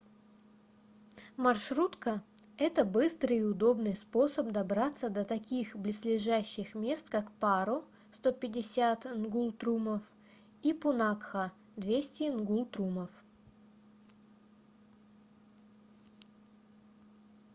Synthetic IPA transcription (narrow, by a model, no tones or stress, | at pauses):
mɐrʂɾut̪kəɛt̪əbɨst̪ɾɨʊd̪o̞bnɨjspo̞səp̚d̪ɐbɾat̪sːəd̪ət̪ɐkʲixblʲɪslʲɪʐæɕːɪxmʲe̞st̪kakpaɾʊ | st̪o̞pʲɪdʲɪsʲat̪nɡulˠt̪ɾuməf | ipʊnakxə | d̪vʲesʲtʲɪnɡulˠt̪ɾuməf